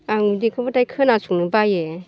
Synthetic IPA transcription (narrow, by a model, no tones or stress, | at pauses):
aŋudikʰɯbɔtajkʰɯnasʰuŋnɯbaje